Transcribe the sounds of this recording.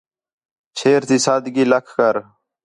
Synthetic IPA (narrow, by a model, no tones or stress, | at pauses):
t͡ɕʰeːɾt̪ʰisaːd̪ɡilɐkʰkɐɾ